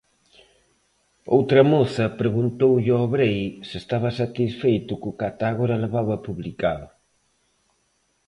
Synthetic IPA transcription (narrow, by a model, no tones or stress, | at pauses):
owt̪ɾɐmoθɐpɾeɣunt̪owʎɪɔβɾejsɪst̪aβɐsat̪isfejt̪ʊkʊkat̪aɣoɾɐleβaβɐpuβlikaðʊ